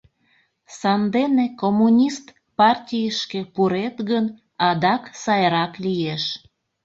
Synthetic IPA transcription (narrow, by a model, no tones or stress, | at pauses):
sɑnd̪enekomunʲist̪ | pɑrtʲijəʃkepuɾet̪ɣən | ɑd̪ɑksɑjɾɑklijeʃ